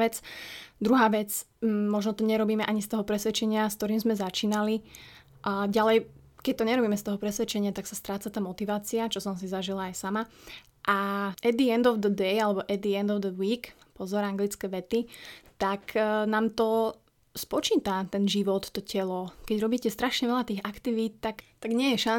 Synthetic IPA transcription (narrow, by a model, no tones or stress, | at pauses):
ʋɛt͡sd̪ɾuɦaːʋɛt͡smɔʒnɔt̪ɔɲɛɾɔbiːmɛʔaɲist̪ɔɦɔpɾɛsʋɛt͡ʃɛɲɪaskt̪ɔɾiːmzmɛzat͡ʃiːnali | ʔɟalɛj | kɛc̚t̪ɔɲɛɾɔbiːmɛst̪ɔɦɔpɾɛsʋɛt͡ʃɛɲɪat̪aksast̪ɾaːt͡sat̪aːmɔt̪iʋaːt͡siat͡ʃɔsɔms̬izaʒilaːjsama | ʔaʔɛd̪iɛnd̪ɔwd̪əd̪ɛjalɛbɔʔɛd̪iɛnd̪ɔvd̪əwiːkpɔzɔɾaŋɡlit͡skɛːʋɛt̪it̪aknaːmt̪ɔ | spɔt͡ʃiːt̪at̪ɛnʒiʋɔt̪ːɔcɛlɔkɛɟɾɔbiːcɛst̪ɾaʃɲɛʋɛʎat̪iːɣakt̪iʋiːt̪̚t̪akt̪aɡɲɪɛjɛʃa